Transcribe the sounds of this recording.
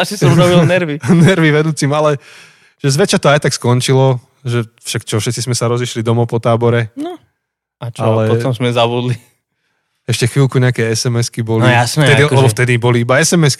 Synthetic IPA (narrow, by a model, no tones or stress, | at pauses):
asisɔmɾɔbilnɛɾʋinɛɾʋiʋɛd̪uːt͡simalɛ | ʒ̥ɛzʋɛt͡ʃat̪ɔajt̪akskɔnt͡ʃilɔ | ʒɛfʃakt͡ʃɔfʃɛt̪t͡sizmɛsaɾɔziʃlid̪ɔmɔpɔt̪aːbɔɾɛnɔ | at͡ʃalɛpɔtɔmzmɛzabud̪li | ɛʃcɛxʋilkuɲɛakɛjɛsɛmɛskibɔliasnɛt̪ɛiɛlɛbɔft̪ɛd̪ibɔliibaɛsɛmɛsk